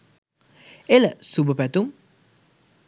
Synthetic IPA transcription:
eləsubəpɛt̪um

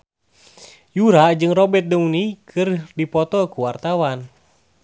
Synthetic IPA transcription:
juɾaʔd͡ʒɨŋrɔbɛt̪̚dəunikʰɨrdipɔt̪ɔkuwart̪awan

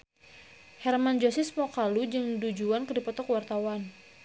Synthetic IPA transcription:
hɛrmand͡ʒosismɔkalud͡ʒɨŋdud͡ʒuankədipɔt̪ɔkwart̪awan

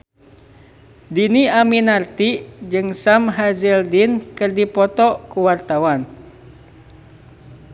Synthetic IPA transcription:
diniaminart̪id͡ʒɨŋsamɦazildinkɨrdipɔt̪ɔkuwart̪awan

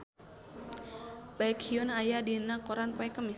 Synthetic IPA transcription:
bajkʰiɔnajadinakɔɾanpɛkəmɪ

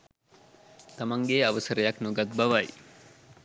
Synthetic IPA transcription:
t̪ɐmɐŋɡeːɐʋɐsɐɾɐjɐknuɡɐt̪̚bɐʋɐj

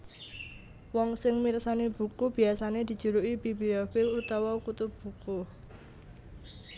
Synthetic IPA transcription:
wɔŋsɪŋmirsaneb̥ṳkub̥i̤asaned̪̥i̤d̥ʒ̥ṳɾuʔibibeofɪlut̪awɔkut̪ʊb̥ṳku

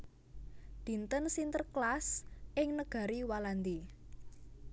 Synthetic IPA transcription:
d̪̥i̤nt̪ənsint̪ərklasʔɪŋnəɡ̥a̤ɾiwaland̪i

